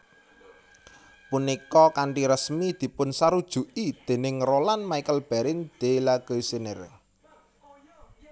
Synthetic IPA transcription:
punikɔkaɳʈiɾəsmid̪̥i̤pʊnsaɾud̥ʒ̥ṳʔid̪̥e̤nɪŋrolanmaikəlb̥a̤ɾɪnd̪̥e̤laɡ̥oisenɪ̰r

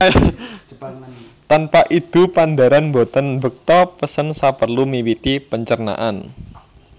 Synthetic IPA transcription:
t̪anpaʔid̪̥ṳpand̪a̤ɾanbot̪ənbək̚t̪ɔpəsənsapərlumiwit̪ipəɲt͡ʃərna̰ʔan

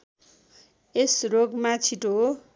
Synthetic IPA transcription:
esroɡmat͡sʰiʈoɦ

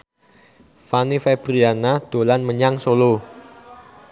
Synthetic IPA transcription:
fanifeb̥ɾianad̪̥olanməɲaŋsolo

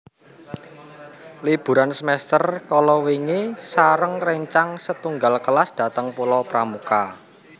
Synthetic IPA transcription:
lib̥ṳɾansəmɛst̪ərkɔlɔwiŋesaɾəŋrəɲt͡ʃaŋsət̪uŋɡalkəlasd̪̥a̤t̪əŋpulɔpɾamuka

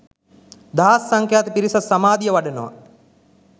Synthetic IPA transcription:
d̪aɦsːaŋkjaːt̪əpiɾisasamaːd̪ijəʋaɖənoʋa̰

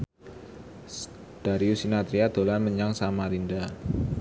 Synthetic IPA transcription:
d̥a̤ɾiusinat̪ɾiad̪̥o̤lanməɲaŋsamaɾinda

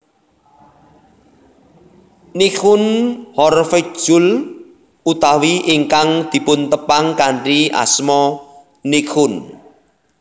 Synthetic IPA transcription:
nikʊnhɔrfed̥ʒ̥ʊl | ut̪awiʔiŋkaŋd̪̥i̤pʊnt̪əpaŋkaɳria̰smɔ | nikʰʊn

